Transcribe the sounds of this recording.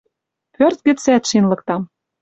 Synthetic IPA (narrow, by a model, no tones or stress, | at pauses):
pørt̪̚ɡɘ̆t͡sæt̪ʃinlɤ̆k̚t̪ɑm